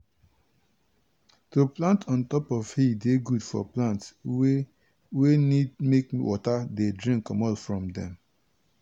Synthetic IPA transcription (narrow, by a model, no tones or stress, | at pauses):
toplãntʰɔ̃ntɔpɔv̥hideɡudfɔ̰plãnts | wenidmekwʔɔ̰tadedɹĩŋkːɔ̃mɔlfɹɔ̃mdɛ̰̃m